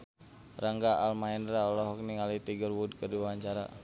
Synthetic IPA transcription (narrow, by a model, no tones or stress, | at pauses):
raŋɡaalmaɛndɾaɔlɔɦɔk̚niŋalit̪iɡərwud̚kərdiwaɲt͡ʃaɾa̰